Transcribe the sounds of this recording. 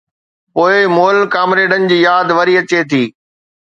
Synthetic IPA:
poːɪmoːlkaːmɾeːɖənɪ̆d͡ʑiːjaːd̪ʋɐɾiɐt͡ɕet̪ʰiː

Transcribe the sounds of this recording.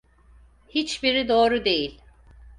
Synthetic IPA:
hit͡ʃbiɾid̪o̞ːɾud̪e̞jilʲ

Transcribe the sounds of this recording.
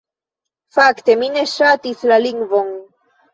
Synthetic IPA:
fakt̪emineʃat̪islaliŋɡvoŋ

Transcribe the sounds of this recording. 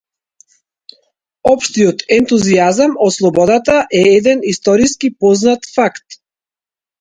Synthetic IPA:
ɔpʃt̪ijɔt̪ɛnt̪uziazamɔt̪slˠɔbɔd̪at̪aʔɛɛd̪ɛnist̪ɔɾiskipɔznat̪fakt̪

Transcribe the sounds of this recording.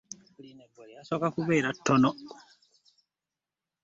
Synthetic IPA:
asokakuβeːɾatːono

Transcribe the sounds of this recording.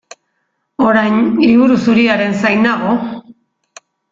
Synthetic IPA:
o̞ɾajnliβuɾusuɾiaɾe̞nsajnaɣ̞o̞

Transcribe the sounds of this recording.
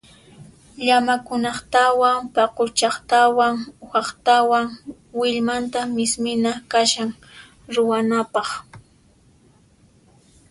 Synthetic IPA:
ʎamakʊnɑχt̪awaŋpɑqʊt͡ʃɑχt̪awaŋxɑχt̪awaŋ | wɪʎmant̪amɪsmɪnakaʃaŋ | ɾʊwanapɑχ

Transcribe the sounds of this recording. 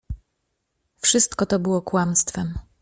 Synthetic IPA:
fʂɘst̪kɔt̪ɔbɘwɔkwamst̪fɛm

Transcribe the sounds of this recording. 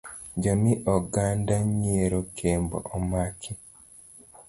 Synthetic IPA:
d͡ʒɔmiʔɔɡandaɲieɾokʰembɔ̰ʔɔmakʰi

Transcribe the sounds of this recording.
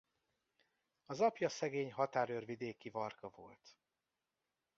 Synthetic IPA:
ɒzɒpjɒsɛɡeːɲɦɒt̪aːɾørvid̪eːkivɒrkɒvo̞̰lt̪

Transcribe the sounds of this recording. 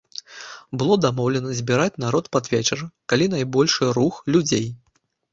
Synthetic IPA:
bɨlˠɔd̪amɔwlʲɛnɐzʲbʲiɾat͡sʲn̪aɾɔt̪pad̪vʲet͡ʃɛrɐkalʲinajbɔlʲʂɨɾuxlʲud͡zʲej

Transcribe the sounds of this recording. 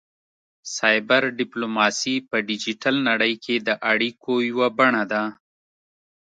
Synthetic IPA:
sɑjbaɾɖɪplomɑsipəɖid͡ʒiʈalnaɽəjkʰed̪əʔaɽikʰojwabaɳad̪a

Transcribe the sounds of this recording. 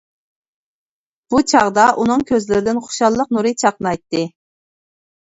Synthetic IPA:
b̥ut͡ʃʰɑʁd̪ɑʔunɨŋkʲʰøzlɪɾɪd̪ɪnχʊ̥ʃɑlˠːəq̚nuɾɨt͡ʃʰɑqnɑjt̪ːɨ

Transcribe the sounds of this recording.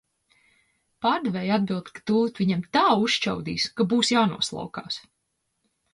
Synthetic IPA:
paɾd̪vɛjad̪̚bilˠd̪kḁt̪uːt̪viɲɛmt̪aːuʃt͡ʃa̰wd̪ḭːskabuːsjaːnṵɔslˠa̰wka̰ːs

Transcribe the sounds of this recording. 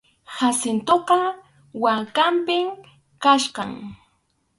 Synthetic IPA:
hasɪnt̪oqɑ | wakampɪm | kaʃɢɑ̰ŋ

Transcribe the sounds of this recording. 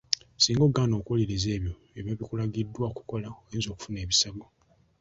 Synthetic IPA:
siːŋɡoːɡaːno̞ːkoliɾize̞ːβjo̞ | eβjoβikulaɡidːwaku̥ko̞laowiːnzio̞ːku̥fune̞ːβisaɡo

